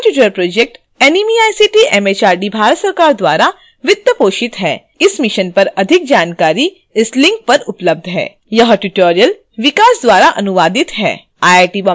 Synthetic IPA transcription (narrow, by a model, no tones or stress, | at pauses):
ʈjuːʈəɾpɾoːd͡ʒek̚ʈ | ɛnimiaːjsiʈiʔɛːmeːt͡ʃaːɾɖibʱaːɾət̪sɐɾkaːɾd̪waːɾa | ʋɪt̪ːəpoːʃɪt̪ɦɛː | ɪsmɪʃənpɐɾɐd̪ʱɪk̚d͡ʒaːnkaːɾi | ɪslɪ̃ŋk̚pɐɾʊpləb̚d̪ʱɦɛ̰ː | jɐɦʈuʈoːɾijəl | ʋɪkaːsd̪waːɾaʔɐnʊʋaːd̪ɪt̪ɦɛ̰ː | aːaːʈibɐ